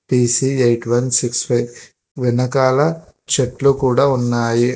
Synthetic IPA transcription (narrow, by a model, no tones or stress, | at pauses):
piːsiejʈʋɐnsikspʰɐjʋ | ʋinɐkaːlɐ | t͡ʃeʈlukuːɽaːunːaːji